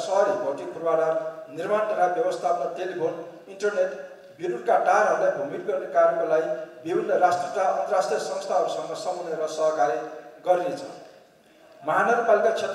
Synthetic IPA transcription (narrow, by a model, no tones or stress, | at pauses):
sʌɦʌɾibʱʌʈipʰurwaɽarnirmant̪ʌɾʰabjʌbʌst̪ʰapnʌʈelipʰon | iɳʈʌrneʈ | biɾud̪kaʈaɾɦʌɾulajbʱumit̪ɡʌrnekaɾʌnkolajbibʱinːʌrasʈrit̪aʌnt̪ʌrasʈrijʌsʌŋst̪ʰaɦʌɾusʌŋɡʌsʌmʌnermasʌɦʌkaɾiɡʌɾinet͡sʰʌ̰ | maɦanʌbpalikat͡sʰet̪